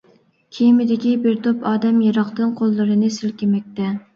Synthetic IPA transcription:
kʲʰijmɪd̪ɪkʲibɪɾt̪ʰopɑːd̪ɛmjɑɾɑqt̪ɨnqʰolˠːɨɾɨnɨsɪlkʲimɛk̚ʲt̪ɛ

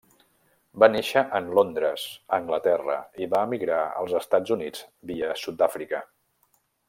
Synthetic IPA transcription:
baneʃəʔənlond̪ɾəz̥əŋɡlət̪ɛrə̰iβaəmiɣɾaə̰lˠzəst̪ad͡zunid͡zbiəsut̪̚d̪afɾikə

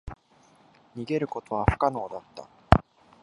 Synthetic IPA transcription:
ɲ̟iɡe̞ɾɯ̟ko̞t̪o̞βaɸɯ̟̥kano̞ːd̪at̪ːa̰

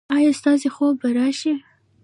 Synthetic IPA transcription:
ɑjɑst̪ɑzexobaɾɑʃi

